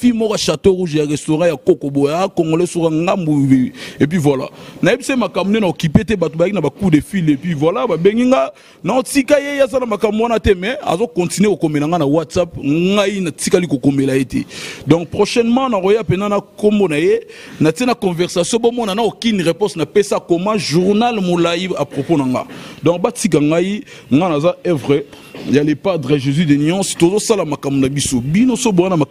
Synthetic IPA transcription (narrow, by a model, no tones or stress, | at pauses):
filmɔkaʃatoʁuʒjaʁɛstoʁɑ̃jakokobojakoŋɡolesukaŋɡambuueepɥivwala̰najebisaemakambunenaokipetɛbatobajakinabakudefilepɥivwalababeŋɡiŋɡa | naotikajejeazanamakambuwanatɛmɛa̰zokɔ̃tinwekokomelaŋɡanawatsap̚ŋɡainatikalikokomelajetɛ̰dɔ̃ŋk̚pʁoʃɛnmɑ̃nakojapenanakombonajenatinakɔ̃vɛʁsasjɔ̃bomɔnanakokinʁepɔ̃snapesakomɑ̃ʒuʁnalmolajiapʁoponaŋɡa̰dɔ̃ŋk̚batikaŋɡai | ŋɡanazaɛvʁɛjalepadʁɛʒezydeniɑ̃stozosalamakambunabisobinosoboanama